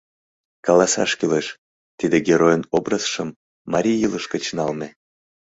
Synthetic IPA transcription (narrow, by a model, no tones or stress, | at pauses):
kɑlɑsɑ̰ʃkyleʃ | t̪id̪eɡʲeɾojənobrəsʃəmː | ɑɾʲiːɯləʃkət͡ɕnɑlme